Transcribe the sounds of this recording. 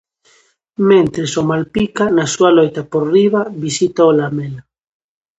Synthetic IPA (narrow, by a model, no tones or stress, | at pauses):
mẽnt̪ɾesomalpikanasualojt̪apoɾriβaβisit̪aolamela